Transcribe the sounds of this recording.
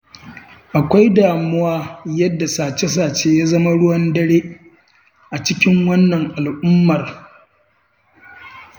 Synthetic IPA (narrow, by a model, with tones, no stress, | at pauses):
ʔa˨kʷa˦jdaː˨mʊ˦waː˦jɐ˦dːa˨saː˨t͡ʃe˦s̬aː˨t͡ʃeː˦jaː˦zɐ˦ma˦ɽʊ˦wɐ˦ndɐ˦ɽeː˦ | ʔa˨t͡ʃɪ˦kʲɪ˦ŋwɐ˦nːɐ˨ŋʔa˨lʔʊ˦mːɐ˨r